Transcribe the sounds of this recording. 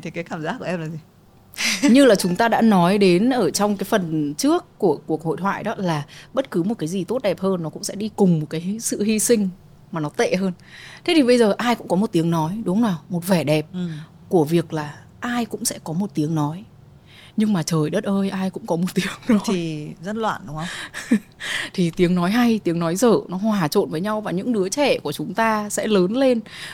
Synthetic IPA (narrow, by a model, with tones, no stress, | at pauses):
t̪ʰe˨˦kaː˨˦jkaː˧˩mzaː˦˥t̚ku˧˩˨ʔɛ˧mlaː˨˩zi˨˩ | ɲɨ˧laː˨˩t͡ɕʊ˨˦ŋ͡mt̪aː˧ɗa̰ː˧˥nɔ˨˦jɗe˨˦nʔəː˧˩t͡ɕɔ˧wŋ͡mkaː˨˦jfə˨˩nt͡ɕɨ˦˥əkːu˧˩əku˨˩ək̚ho̰˧˨jt̪ʰwa̰ː˧˨jɗɔ˨˦laː˨˩ɓə˦˥t̚kɨ˨˦mo˨˩kaː˨˦jzi˨˩t̪o˦˥t̚ɗɛ˨˩p̚həː˧nːɔ˨˦kʊ̰˧˥ŋ͡msɛ̰˧˥ɗi˧kʊ˨˩ŋ͡mmo˨˩t̚kaː˨˦jsɨ̰˧˨hi˧sï˧ŋ̟ | maː˨˩nɔ˨˦t̪ḛ˧˨ɦəː˧n | t̪ʰe˨˦t̪ʰi˨˩ɓə˧jzəː˨˩ʔaː˧jkʊ̰˧˥ŋ͡mkɔ˨˦mo˨˩t̚t̪i˨˦əŋnɔ˨˦jɗʊ˨˦ŋ͡mnaː˨˩wmo˨˩t̚vɛ˧˩ɗɛ˨˩p̚ | ku˧˩əvi˨˩ək̚laː˨˩ | ʔaː˧jkʊ̰˧˥ŋ͡msɛ̰˧˥kɔ˨˦mo˨˩t̚t̪i˨˦əŋnɔ˨˦j | ɲɨ˧ŋmaː˨˩t͡ɕəː˨˩jɗə˦˥t̚ʔəː˧jʔaː˧jkʊ̰˧˥ŋ͡mkɔ˨˦mo˨˩t̚t̪i˨˦əŋnɔ˨˦i˨˩zə˦˥t̚lwa̰ː˧˨nɗʊ˨˦ŋ͡mə˧ŋ͡m | t̪ʰi˨˩t̪i˨˦əŋnɔ˨˦jɦa˧jt̪i˨˦əŋnɔ˨˦jzəː˧˩nɔ˨˦ɦwaː˨˩t͡ɕo̰˧˨nvəː˨˦jɲa˧wvaː˨˩ɲɨ̰˧˥ŋɗɨ˨˦ət͡ɕɛ˧˩ku˧˩ət͡ɕʊ˨˦ŋ͡mt̪aː˧sɛ̰˧˥ləː˨˦nle˧n